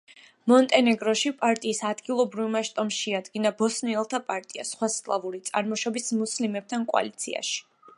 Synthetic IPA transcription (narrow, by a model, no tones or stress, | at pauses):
mɔnt̪ʼɛnɛɡɾɔʃipʼaɾt̪ʼiːsad̪ɡilˠɔbɾivmaʃt̪ʼɔmʃɛad̪ɡinabɔsniɛlˠt̪ʰapʼaɾt̪ʼia̰sχwaskʼlˠavuɾit̪sʼaɾmɔʃɔbismuslimɛb̚t̪ʰankʼwa̰lit̪sʰḭa̰ʃi̥